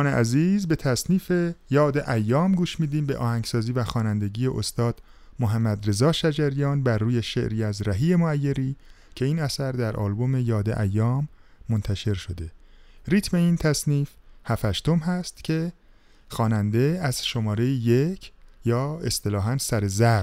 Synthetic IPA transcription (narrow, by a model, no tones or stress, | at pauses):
neʔæziːzbe̞t̪ʰæsniːfe̞jɒːd̪eʔæjːɒːmɡuːʃmiːd̪iːmbe̞ʔɒ̰ːhæŋɡsɒːziːvæxɒːnænd̪e̞ɟiːjeʔost̪ɒːd̪̥ | moɦæmːæd̪re̞zɒːʃæd͡ʒæɾijɒːnbæɾːuːje̞ʃe̞̰ʔɾiːæzɾæɦiːe̞moæjːeɾiː | cʰe̞iːnæsæɾd̪æɾʔɒ̰ːlbo̞me̞jɒːd̪e̞̰ʔæjːɒːmːont̪ʰæʃe̞ɾʃo̞d̪e̞riːt̪ʰme̞iːnt̪ʰæsniːfhæfhæʃt̪o̞mɦæst̪cʰe̞ | xɒːnænd̪e̞æz̥ʃo̞mɒːɾejijecʰjɒːe̞st̪e̞lɒːɦænsæɾe̞zæɾ